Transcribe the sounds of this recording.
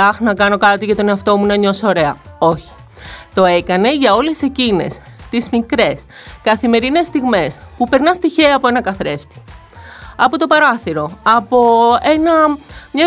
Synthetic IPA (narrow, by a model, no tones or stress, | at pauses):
ɐxnɐkɐno̞kɐt̪iʝɐt̪o̞neɐft̪o̞munɐɲo̞sooɾe̞ɐo̞çi̥ | t̪o̞e̞kɐne̞ʝɐo̞le̞se̞cine̞s | t̪izmikɾe̞s | kɐθime̞ɾine̞st̪iɣme̞spupe̞ɾnɐst̪içeɐpo̞e̞nɐkɐθɾe̞ft̪i̥ | ɐpo̞t̪o̞pɐɾɐθiɾo̞ɐpo̞e̞nɐmɲɐ